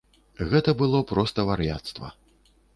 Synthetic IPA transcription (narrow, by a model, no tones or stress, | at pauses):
ɣɛt̪ɐbɨlˠɔpɾɔst̪ɐvaɾjat̪st̪vɐ̰